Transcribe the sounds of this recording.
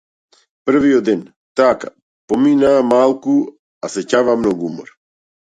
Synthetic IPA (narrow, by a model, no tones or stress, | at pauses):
pr̩viɔd̪ɛn | t̪aka̰ | pɔminaːmalˠku | asɛcavamnɔɡuumɔ̰ɾ